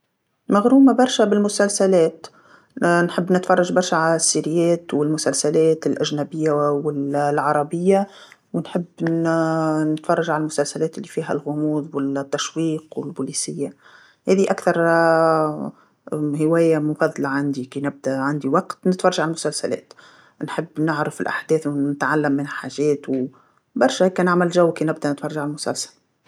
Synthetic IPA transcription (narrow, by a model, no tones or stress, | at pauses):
maɣɾuːmabɑɾˤʃabɪlmʊsalsalɛːt̪ | nħɪbːnɪt̪fɑrˤːɑʒbɑɾˤʃaʕalsːiɾɪjɛːt̪wɪlmʊsalsælɛːt̪ɪlʔæʒnæbɪjːawɪlʕɑɾˤɑbɪjːa | wɪnħɪbː | nɪt̪fɑrˤːɑʒʕalalmʊsalsalɛːt̪ɪlːifiːɦæ̰lɣʊmuːðˤwɪt̪ːaʃwiːqwɪlbuːliːsɪjːa | hɛːðiʔakθɑɾˤ | hɪwɛːjamʊfɑðˤːɑlaʕand̪ikiːnɪb̚d̪æʕand̪iwɑqt̪nɪt̪fɑrˤɑʒaʕalmʊsalsælɛ̰ːt̪ | nħɪbːnɪʕɾɪfɪlʔa̰ħd̪ɛːθwɪt̪ʕalːamːɪnɪħaːʒɛːt̪w | bɑɾˤʃɛhɛkːænɪʕmɪlʒawːkinɪbd̪ænɪt̪fɑɾrˤɑʒaʕalmʊsæ̰lsḁl